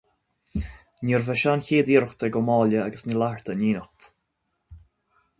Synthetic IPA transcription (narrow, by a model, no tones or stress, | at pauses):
niɹvɛʃançiːd̪iɾəxt̪əɡɔmɔːljəaɡəsnilaɹt̪ʰəniːnəxt̪